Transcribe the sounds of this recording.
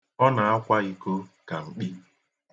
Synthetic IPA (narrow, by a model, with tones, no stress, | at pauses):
ɔ˦na˨a˦kʷa˦i˦ko˦ka˨ŋ͡m̩˨k͡pi˦